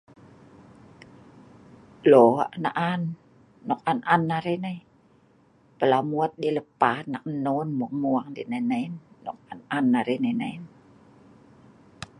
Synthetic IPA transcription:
loa̰ʔna̰ʔanː | ɔk̚ʔanʔanːaɾenaj | pəlamuət̪̚ɗeləpaːnak̚nonmuəŋ̚muəŋdḛnajnanːɔ̰k̚anʔanːaɾenajnan

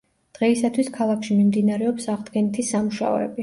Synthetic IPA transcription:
d̪̥ʁɛisat̪ʰwiskʰalˠakʰʃimimd̪inaɾɛɔpsaʁd̪ɡɛnit̪ʰisamuʃa̰ɔ̰ɛ̰bi

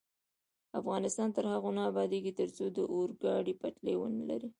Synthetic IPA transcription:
afɣɑnɪst̪ɑnt̪əɾhaɣonɑːbɑd̪eɡit̪əɾt͡sod̪əʔoɾɡɑɽipaʈlewə̰nəla̰ɾi

